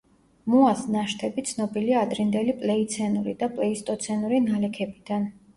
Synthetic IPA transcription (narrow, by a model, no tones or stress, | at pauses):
muasnaʃt̪ʰɛbit̪sʰnɔbiliaːd̪ɾind̪ɛlipʼlɛit̪sʰɛnuɾḭd̪apʼlɛist̪ʼɔt̪sʰɛnuɾinalɛkʰɛbid̪̥an